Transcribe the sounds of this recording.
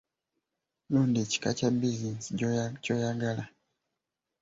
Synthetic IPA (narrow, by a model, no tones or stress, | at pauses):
lundit͡ʃi̥ka̰t͡ʃabiznisɔt͡ʃɔjaɡala